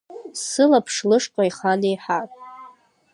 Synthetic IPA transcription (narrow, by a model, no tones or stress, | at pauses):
sɨlapʰʂlɨʂqʼajχanejħatʼ